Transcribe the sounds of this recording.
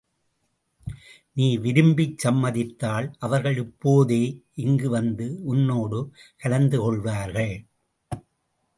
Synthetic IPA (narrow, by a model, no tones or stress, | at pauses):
niːʋɪɾɯmbɪt͡ʃsɐmːɐðɪt̪ːaːlʔɐʋɐɾɣɐɭɪpːoːðeːʔɪŋɡɯʋɐnd̪ɯʊnːoːɽɯkɐlɐnd̪ɯkɔɭʋaːɾɣɐɭ